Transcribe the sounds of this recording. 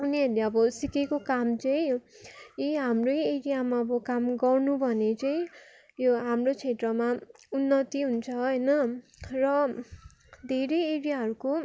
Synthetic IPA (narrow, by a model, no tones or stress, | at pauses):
uniɦʌleʌbʌsikekokamt͡sʌĩjo | iɦamrojeɾijamaʌbʌkamɡʌrnubʱʌnet͡sʌĩ | joɦamrot͡sʰet̪rʌmaunːʌt̪iɦunt͡sʰʌɦʌjnʌrʌ | d̪ʱeɾeeɾijaɦʌɾuko